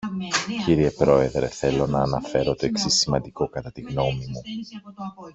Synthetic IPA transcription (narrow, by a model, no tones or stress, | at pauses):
ciɾie̞pɾo̞e̞ðɾe̞̰θe̞lo̞nɐːnɐfe̞ɾo̞t̪o̞e̞ksisimɐnd̪iko̞kɐt̪ɐt̪iɣno̞mimu